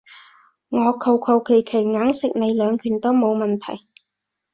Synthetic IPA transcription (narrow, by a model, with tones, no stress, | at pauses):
ŋɔː˨˧kʰɐ˨˧wkʰɐ˨˧wkʰe˨˩jkʰe˨˩jŋaː˨˥ŋsɪ˨k̚ne˨˧jlœː˨˧ŋkʰyː˨˩nt̪o˥wmo˨˧wmɐ˨nt̪ʰɐ˨˩j